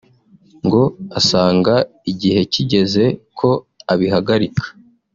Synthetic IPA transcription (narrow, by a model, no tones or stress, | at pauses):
ŋɡo̞asaːŋɡaiɟihe̞ciɟe̞ze̞kʰo̞ | aβiɦaɡaɾikʰḁ